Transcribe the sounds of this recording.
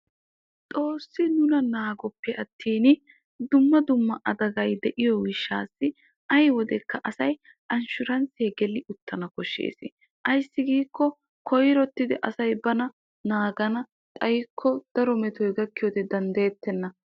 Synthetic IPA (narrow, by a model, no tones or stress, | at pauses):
t̪ʼo̞ːsːɪnʊnɐnaːɡɔpːɛɐt̪ʰːiːn | d̪ʊmːɐd̪ʊmːɐʔɐd̪ɐɡɐjd̪ɛʔɪjɔwɪʃːaːsːɪ | ʔɐjwɔd̪ɛkːɐʔɐsɐj | ʔɐnʃʊɾɐnt͡seːɡɛlɪʊt̪ːɐnɐkɔʃːḛːsɪ | ʔɐjsːɪɡiːkːɔ | kʰɔjɾɔt̪ːɪd̪ɪʔɐsɐjbɐnɐ | naːɡɐnɐ | t̪ʼɐjkʰːɔd̪̥ɐɾɔmɛt̪ɔjɡɐkːɪjɔd̪ɛd̪ɐnd̪eːt̪ːɛnːɐ